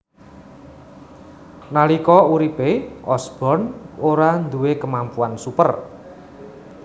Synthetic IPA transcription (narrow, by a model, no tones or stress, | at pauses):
nalikɔuɾipeʔɔsb̥ɔ̤noɾand̪uwekəmampuansupə̰r